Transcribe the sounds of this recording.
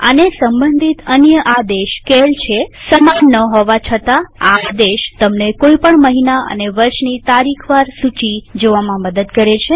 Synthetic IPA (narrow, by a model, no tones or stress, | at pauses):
ə̰nesəmbənd̪ʱit̪ənjəʔad̪eʃkelt͡ʃʰesəmanːəɦoʋat͡ʃʰət̪aaad̪eʃt̪əmnekoipəɳməɦinaə̰neʋəɾʃnit̪aɾikʰʋaɾsut͡ʃid͡ʒoʋamãməd̪əd̪kəɾet͡ʃʰe